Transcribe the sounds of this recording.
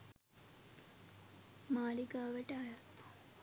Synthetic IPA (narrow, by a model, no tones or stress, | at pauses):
maːlikaːʋeʈaːjat̪